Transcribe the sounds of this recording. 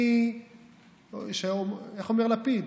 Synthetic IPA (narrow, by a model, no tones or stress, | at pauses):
i | ʃeoeχomeʁlapid̪